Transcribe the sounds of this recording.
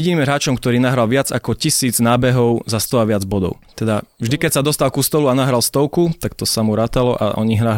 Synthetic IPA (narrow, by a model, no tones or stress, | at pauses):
ɛɟiniːmɾaːt͡ʃɔmkt̪ɔɾiːnaɦɾalʋɪad͡zakɔcisiːd͡znaːbɛɦɔʊzast̪ɔaʋɪad͡zbɔd̪ɔ̰ʊt̪ɛd̪avʒd̪ikɛcsad̪ɔst̪alkust̪ɔluanaɦɾalst̪ɔʊkut̪akt̪ɔsamuɾaːt̪alɔʔa̰ʔɔ̰ɲiɦɾa